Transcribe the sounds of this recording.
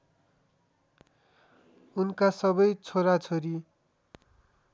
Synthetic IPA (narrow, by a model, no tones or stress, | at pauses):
unkasʌbʌjt͡sʰoɾat͡sʰoɾi